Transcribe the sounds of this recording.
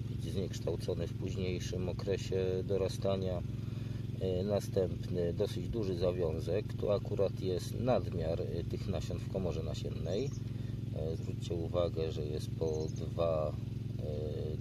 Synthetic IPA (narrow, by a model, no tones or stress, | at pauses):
bɘd͡ʑzɲɛkʂt̪awt̪sɔnɘfpuʑɲejʂɘmɔkɾɛɕɛd̪ɔɾast̪aɲa | nast̪ɛmpnɘd̪ɔsɘd͡ʑd̪uʐɘzavʲjɔ̃w̃zɛkt̪ɔ̰akuɾat̪jɛst̪nad̪mʲjaɾt̪ɘxnaɕɛnt̪fkɔmɔʐɛnaɕɛnːɛj | zvɾut͡ɕt͡ɕɛuvaɡɛʐɛjɛst̪pɔd̪va